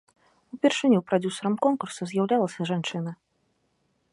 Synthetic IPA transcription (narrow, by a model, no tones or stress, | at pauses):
upʲɛrʂɨnʲupɾad͡zʲusɐɾɐmkɔnkursɐzʲjawlʲalˠɐsʲɐʐant͡ʂɨnɐ